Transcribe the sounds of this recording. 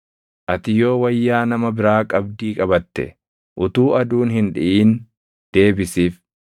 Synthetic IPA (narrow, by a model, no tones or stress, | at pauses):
ʔɐt̪ɪjo̞ːwɐjːaːnɐmɐbɪɾaːkʼɐbd̪iːkʼɐbɐt̪ːɛ̰ | ʔʊt̪uːʔɐd̪uːnɦɪnᶑɪʔiːn | d̪̥e̞ːbɪsiːf